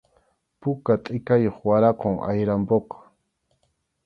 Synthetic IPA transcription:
pʊkat̪ʼɪkajoχwaɾɑqoŋʔa̰jɾampoqɑ̥

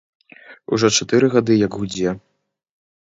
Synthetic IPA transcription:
ṵʐɔt͡ʂat̪ɨɾɨɣad̪ɨjɐɡɣud͡zʲɛ

